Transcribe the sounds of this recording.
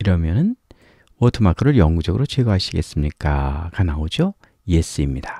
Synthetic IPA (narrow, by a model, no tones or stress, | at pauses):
iɾʌmjʌnɯn | otʰɯmakʰɯɾɯɭjʌŋɡud͡ʑʌɡɯɾot͡ɕʰweɡoɦaɕʰiɡe̞s͈ɯmɲik͈akanaod͡ʑjo | jes͈ɯimɲida